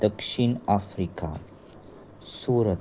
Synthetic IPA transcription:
d̪əkʂiɳafɾika̰ | suɾə

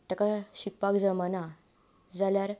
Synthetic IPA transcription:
t̪akaɕik̚pakd͡zəmana | d͡zaljaɾ

